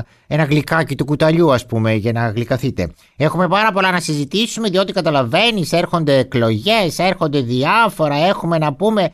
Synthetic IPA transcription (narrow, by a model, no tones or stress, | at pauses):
enɐɣlikɐcit̪ukut̪ɐʎuɐspume̞ʝɐnɐɣlikɐθit̪e̞̰ | e̞xume̞pɐɾɐpo̞lɐnɐsizit̪isume̞ðio̞t̪ikɐt̪ɐlɐve̞nise̞ɾxo̞nd̪e̞ːklo̞ʝe̞se̞ɾxo̞nd̪e̞ðiɐfo̞ɾɐe̞xume̞nɐpume̞